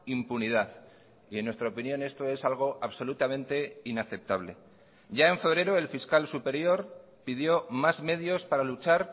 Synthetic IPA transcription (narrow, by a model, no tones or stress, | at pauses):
impuniðaθ | ienːwe̞st̪ɾaopinjõ̞ne̞st̪o̞e̞salɣ̞o̞ʔaβso̞lut̪amẽ̞nt̪e̞inaθe̞p̚t̪aβ̞le̞̰ | ɟ͡ʝae̞ɱfe̞β̞ɾe̞ɾoe̞lfiskalsupe̞ɾjo̞ɾ | piðjo̞mazme̞ðjo̞spaɾalut͡ʃaɾ